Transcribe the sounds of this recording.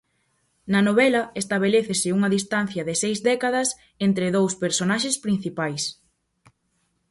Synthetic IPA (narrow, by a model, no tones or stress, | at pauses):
nɐnoβɛlɐest̪aβ̞eleθɪsɪuŋɐðist̪an̟θjɐðɪsejzðɛkaðɐs | ent̪ɾɪðowspeɾsonaʃespɾin̟θipajs